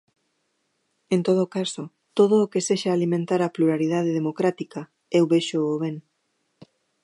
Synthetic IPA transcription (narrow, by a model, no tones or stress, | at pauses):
ent̪oð̞okaso | t̪oð̞oːkeseʃaːlimẽnt̪aɾapluɾaɾið̞að̞eðemokɾat̪ikɐ | ewβeʃoːβeŋ